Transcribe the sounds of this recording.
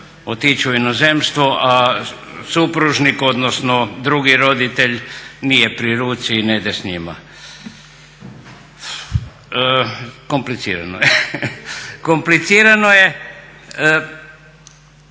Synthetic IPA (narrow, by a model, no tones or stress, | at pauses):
ot̪it͡ʃuinozemst̪ʋoʔa | supɾuʒnikod̪nosnod̪ɾuɡiɾod̪it̪eʎnijepɾiɾuːt̪sined̪esɲima̰ | komplit̪siːɾanoje | komplit̪siːɾanoje